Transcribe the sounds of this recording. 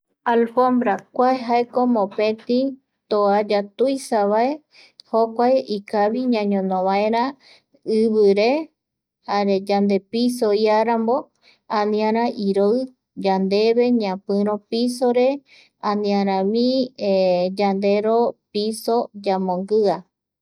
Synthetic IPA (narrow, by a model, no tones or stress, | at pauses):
alfõmbɾakʷaeɦaekomõpẽt̪ĩ | t̪oad͡ʒat̪ujsaβae | hokʷajikaβiɲãɲõnõβaeɾã | ɨβɨɾe | haɾed͡ʒand̪e̞pisoiaɾambo̞ | ãnĩãɾãʔiɾoɨ | d͡ʒand̪e̞βe̞ɲãpɨ̃ɾ̃õpisoɾe̞ | ãnĩãɾ̃ãmĩ | d͡ʒand̪e̞ɾopisod͡ʒamõŋɡɨa